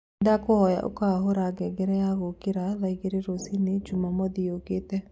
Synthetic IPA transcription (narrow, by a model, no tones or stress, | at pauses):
dakohɔja̰ʔo̰kaaɦoɾaɡɛɡeɾɛjaɣokeɾaðaiɣeɾeɾosined͡ʒumamɔðioket̪ɛ